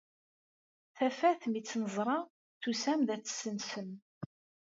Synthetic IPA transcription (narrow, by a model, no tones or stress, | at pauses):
θæfæθmit͡sːnəzˤɾˤɑ | θusæmðæt͡sːə̥sːənsən